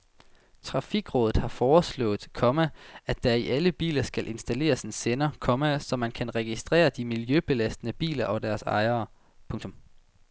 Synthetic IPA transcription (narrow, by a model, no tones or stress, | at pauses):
t͡sʰʁɑ̈fiɡ̥ʁɔ̽ːðð̩ˠhɑ̈fɒːslɔ̰̽ːð̩ˠkʰɒ̽mææd̥æiʔæləb̥ḭːlɐsɡ̥ælʔe̝nsd̥æle̝̰ːɐsensenɐkʰɒ̽mæsɒ̽mænkʰænʁɛɡ̥isd̥ʁɛ̰ːɐd̥imiljøb̥e̝læsd̥ənəb̥ḭːlɐʔɒ̽d̥æɐsɑ̰̈ɪɐː | pʰɔ̽ŋt͡sʰɔ̽m